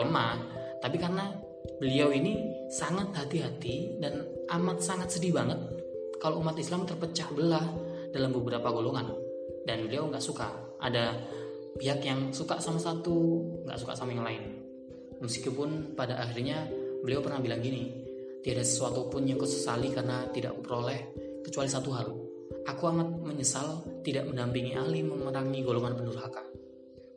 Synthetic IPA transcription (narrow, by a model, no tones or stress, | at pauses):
ma | t̪apikarəna | b̥əliawini | saŋat̪̚hat̪iɦat̪idan | ʔamat̪̚saŋat̪̚sədibaŋət̪̚ | kaloumat̪islamt̪ərpət͡ʃahbəlah | dalambəbəɾapaɡoloŋan | danbəliawŋɡaʔsuka̰ | ʔa̰da | piɦakjaŋsuka̰ʔsamasat̪uŋɡa̰ʔsuka̰ʔsamajaŋlaɪn | məsi̥kupʊnpadaʔaxirɲabəliawpərnahbilaŋɡini | t̪iadasəsuat̪upʊnjakusə̥salikarənat̪idaʔakupəɾolɛh | kət͡ʃualisat̪uɦal | ʔakuaŋat̪̚məɲəsalt̪idaʔ̚məndampiŋiʔahliməmənaŋiɡoloŋanpənuɾɦaka